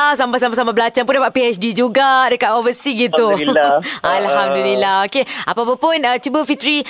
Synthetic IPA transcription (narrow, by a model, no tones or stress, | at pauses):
asambas̬amas̬amabəlat͡ʃaŋpundapaʔ̪̚piɛsdid͡ʒuɡadəkat̪ovəsiɡit̪u | alhamdulilahokeapapapʊnət͡ʃubəfit̪ɾi